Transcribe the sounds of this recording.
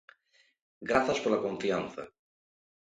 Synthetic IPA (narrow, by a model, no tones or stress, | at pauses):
ɡɾaθaspoɾlakõɱfian̟θa̰